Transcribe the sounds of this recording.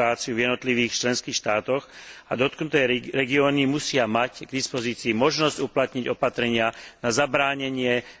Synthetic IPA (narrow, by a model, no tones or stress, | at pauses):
aːt͡siuvjɛd̪nɔt̪liʋiːxt͡ʃlɛnskiːxʃt̪aːt̪ɔxa̰d̪ɔt̪knut̪ɛːɾɛɡiɔːnimusɪamaɟɡd̪ispɔziːt͡siːmɔʒnɔzɟuplat̪ɲiɟɔpat̪ɾɛɲɪanazabɾaːɲɛɲɪɛ